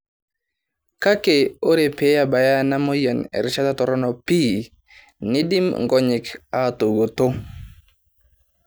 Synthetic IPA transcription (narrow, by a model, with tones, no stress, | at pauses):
ka˦ke˨o˦ɾe˨pe˨˦ja˨ba˨ja˦na˦mo˦ja˨nɛ̰˨ɾɪ˨t͡ʃa˦ta˦tɔ˨ɾɔ˦nɔ˨piː˦ | nɪ˦di˦mŋɡɔ˦ɲɪ˨ka˨to˨ɡo˨to˦